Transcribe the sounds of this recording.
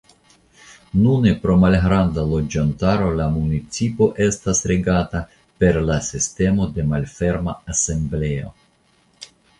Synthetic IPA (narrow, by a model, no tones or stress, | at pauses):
nune̞pɾo̞malɦɾandalo̞d͡ʒantaɾo̞lamunit͡sipo̞ʔe̞stasɾeɡata | pe̞ɾlasiste̞mo̞de̞malfe̞ɾmaase̞mble̞o̞̰